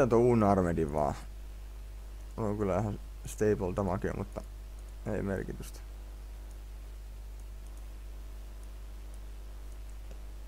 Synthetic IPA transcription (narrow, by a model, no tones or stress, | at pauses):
et̪ouːnːɑrmed̪iʋʋɑ̰ː | oloŋkylːæʋæhæn | st̪eipolt̪ɑmɑkḭmʔṵt̪ːɑ | eimḛrkit̪yst̪æ̥